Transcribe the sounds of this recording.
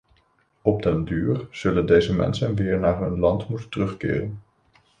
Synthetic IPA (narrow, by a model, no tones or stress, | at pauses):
ɔp̚dɛndyːɹz̥ɵləndejzəmɛ̰nsənʋɪːɹnaːɹɦɵnlɑntmutəntərɵχkɪ̰ːrən